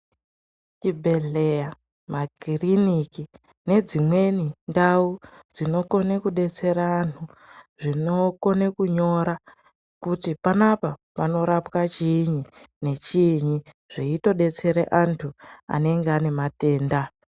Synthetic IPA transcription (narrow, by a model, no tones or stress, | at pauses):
t͡ʃibʱe̞ɮe̞ja | makiriniki | ne̞d͡zimwe̞nindau | d͡zino̞ko̞nekuɗe̞t͡se̞ɾaːntʰu | ʐino̞ko̞nekuɲo̞ɾa | kutipanapapano̞ɾapwat͡ʃiɲine̞t͡ʃiɲi | ʐ̥iito̞ɗe̞t͡se̞ɾḛʔantʰua̰ne̞ŋɡeane̞mate̞ːnda